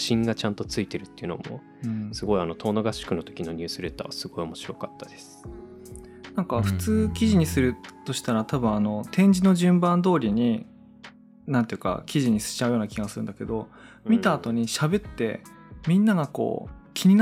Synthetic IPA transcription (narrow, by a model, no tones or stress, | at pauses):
ɕĩŋɡat͡ɕãnt̪o̞t͡sɨit̪e̞ɾɯ̟t̪ːeiɯ̟no̞̰mo̰ | ɯ̃sɨɡo̞iano̞t̪ʰo̞ːnoɡaɕi̥kɯ̟no̞t̪o̞kʲino̞ɲʲɨːsɨɾet̪ːa̰βasɨɡo̞io̞mo̞ɕiɾo̞kat̪ːad̪̥e̞sɨ̥ | nãŋkaɸɯ̟̥t͡sɨːkʲiʑiɲ̟isɨɾɯ̟t̪o̞ɕi̥t̪aɾat̪abɯ̟̃ɰ̃ano̞t̪ẽ̞ɲ̟d͡ʑino̞ʑɨ̃mbãnd̪o̞ːɾʲiɲ̟i | nãnt̪e̞jɯ̟ka̰kʲiʑiɲ̟isɨ̥t͡ɕaɯjo̞ːnakʲiɡasɨɾɯ̟nd̪ake̞d̪o̞ | mʲit̪aːt̪o̞ɲ̟iɕabe̞t̪ːe̞mʲĩnːaɡako̞̰ːkʲʰiɲ̟in